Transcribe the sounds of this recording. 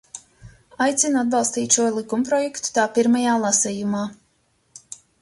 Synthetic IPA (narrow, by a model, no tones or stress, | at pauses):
ajt̪sʲinad̪̚bɑlˠst̪iːt̪ʃuɔlˠikumpɾɔjɛkt̪u̥t̪aːpiɾmajaːlˠasɛjumaː